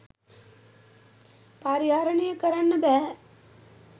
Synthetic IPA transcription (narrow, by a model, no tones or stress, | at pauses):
paːɾiaːɾɐɳijəkɐɾɐnːɐbɛː